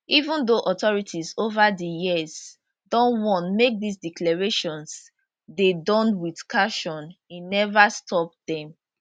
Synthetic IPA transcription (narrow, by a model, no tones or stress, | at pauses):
ivũndoʔɔtɔɹitʰizovadəjiz | dɔ̃nwɔ̃ntmek̚disdiklɛɹeʃɔ̃ns | dedɔ̃nwið̥kʰaʃɔ̃ninɛvastʰɔp̚dɛ̃m